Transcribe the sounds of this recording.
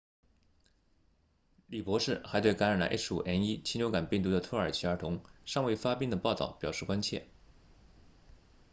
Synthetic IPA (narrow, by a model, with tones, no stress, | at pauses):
li˨˩pwɔ˧˥ʂɻ̩˥˩xa˧˥ɪt̪we˥˩ɪka˧˥nɻa˨˩nlə̰˧ʔḛ˥ʂ̩˥u˨˩ʔɛ˥ni˥t͡ɕʰi˥njo˧˥ʊka˨˩npi˥˩ŋt̪u˧˥d̪ə˧t̪ʰɤ˥˩ə˞˨˩t͡ɕʰi˧˥ə˞˧˥t̪ʰʊ˧˥ŋʂɑ˥˧ŋwe˥˩ɪfa˥pi˥˩ŋd̪ə˩pɑ˥˧ʊt̪ɑ̰˥˩ʊpjɑ˨˩ʊʂɻ̩˥˩kwa˥nt͡ɕʰjɛ˥˩